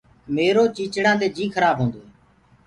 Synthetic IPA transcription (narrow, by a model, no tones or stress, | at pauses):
meːɾoːt͡ʃiːt͡ʃɽãːd̪eːd͡ʒiːkʰəɾaːbʱɦõːnd̪oːɦːɛː